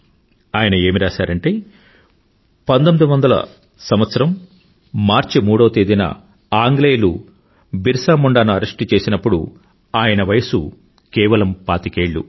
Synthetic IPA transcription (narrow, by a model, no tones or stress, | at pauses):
aːjɐnɐe̞ːmiɾaːsaːɾɐɳʈeː | pɐnd̪omid̪iʋɐnd̪ɐlɐ̰ | sɐmʋɐt̪sɐɾɐmː | aːɾt͡ʃimuːɽoːt̪eːd̪inɐ̰ | aːŋɡleːlu | biɾsaːmuɳɖaːnuɐɾɐʂʈit͡ʃe̞ːsinɐpːuɽṵ | aːjɐnɐʋɐjɐsu | kɛːʋɐlɐmpaːt̪ikeːɭːṵ